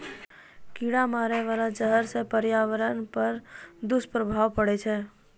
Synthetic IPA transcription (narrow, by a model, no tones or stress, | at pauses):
kiɽamaɾeʋalad͡ʒəɦəɾsepəɾjaʋəɾənpəɾd̪ʊspɾəbʱaʋpəɽet͡ʃʰe